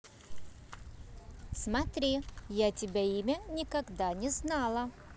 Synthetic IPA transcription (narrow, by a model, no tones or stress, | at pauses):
smɐt̪ɾʲijatʲɪbʲeimʲənʲɪkɐɡd̪anʲɪznalˠɐ